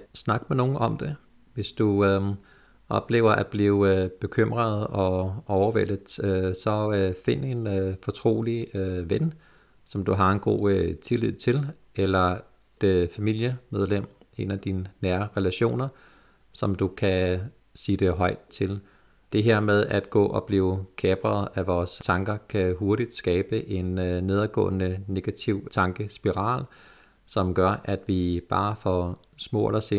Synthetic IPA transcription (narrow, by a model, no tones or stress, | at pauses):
snɑ̈ɡ̥meno̝ːn̩ʔɒ̽md̥e̝ | ʋe̝sd̥u | ʔɒ̽b̥le̝̰ːʊ̰ɐʔæ̥b̥liːʊb̥e̝kʰøm̰ʁɐðˠɒ̽ɒʊɐʋel̰əðˠsɒ̽øfe̝nəe̝nfɒ̽t͡sʰʁo̝̰ːliøʋen | sɒ̽md̥uɦɑ̈e̝nɡ̥o̝̰ːøt͡sʰe̝lið̞̰ˠt͡sʰe̝l | elɐ | d̥efæmil̰jəmeð̞ˠlem̰ | e̝næd̥inənæːɐɐʁɛlæɕo̝̰ːnɐ | sɒ̽md̥ukʰæ | siːd̥e̝ɦɒ̽ɪ̰d̥̚t͡sʰe̝l | d̥e̝ɦeɐ̰með̞ˠæd̥ɡ̥ɔ̰̽ːʔɒ̽b̥liːʊkʰɛːb̥ʁɐð̩ˠæʋɒːst͡sʰɑ̈ŋɡ̥ɐkʰæɦo̝ɐɾid̥sɡ̥ɛːb̥əʔe̝nne̝ð̞ˠɐɡ̥ɔ̰̽ːnəne̝ɡ̥æt͡sʰiʊ̰t͡sʰɑ̈ŋɡ̥əsb̥iʁɑ̰̈ːl | sɒ̽mɡ̥ɶɐʔæd̥ʋib̥ɑ̈ːfɒ | smɔ̰ːelɐse